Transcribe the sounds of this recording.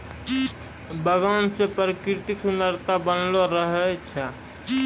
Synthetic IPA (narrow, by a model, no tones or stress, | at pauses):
bəɡaːnsepɾəkɾɪt̪ɪksʊnəɾt̪abənloɾəɦɛt͡ʃʰɛ